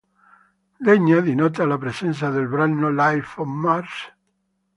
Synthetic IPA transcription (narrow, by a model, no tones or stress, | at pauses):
d̪eɲaðinot̪alapɾesenθ̬aðelβɾanolajfomːaɾs